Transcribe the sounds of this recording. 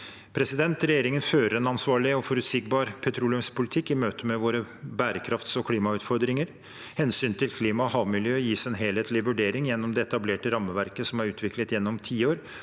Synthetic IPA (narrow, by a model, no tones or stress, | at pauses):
pʰɾɛsɪd̪ɛnt̪ɾɛjeːɾɪŋənføːɾəɾɛnɑnsʋɑːɭɪɔfɔɾʉt̪sɪɡbɑːɾpʰɛt̪ʰɾuːlɪʉmspʰʊlɪt̪ʰɪkːɪmøːt̪əmɛʋoːɾə | bæːɾəkʰɾɑft̪sɔkʰliːmɑʉːt̪fɔɾd̪ɾɪŋəɾ | hɛnsyːnt̪ʰɪlkʰliːmɑɔhɑːʋmɪljøːjiːsɛnɦeːlheːt̪lɪʋʉɖeːɾɪŋjɛnːɔmd̪ɛɛt̪ɑbleːʈəɾɑmːəʋæɾkəsɔmæɾʉːt̪ʰʋɪklət̪jɛnːɔmt̪ʰiːoːɾ